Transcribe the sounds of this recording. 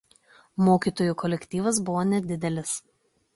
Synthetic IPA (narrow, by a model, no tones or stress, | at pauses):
moːkʲiːˑt̪oːjuˑkɔlʲɛkʲt̪ʲiːʋɐs̬bʊʋonʲɛd̪ʲɪd̪ʲɛlʲɪs